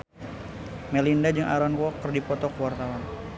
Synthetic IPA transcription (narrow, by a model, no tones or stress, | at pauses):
mɛlindad͡ʒɨŋʔa̰ɾɔnwɔkərdipɔt̪ɔkəwart̪awan